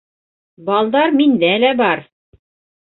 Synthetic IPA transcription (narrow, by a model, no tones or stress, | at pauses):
bɑlˠd̪ɑɾmind̪ælæbɑɾ